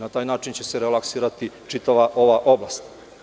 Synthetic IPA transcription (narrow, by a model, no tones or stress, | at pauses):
nat̪aːjnaːt͡ʃint͡ɕe̞se̞ɾelaksiːɾat̪it͡ʃit̪aʋaʔo̞ʋaʔo̞blaːst̪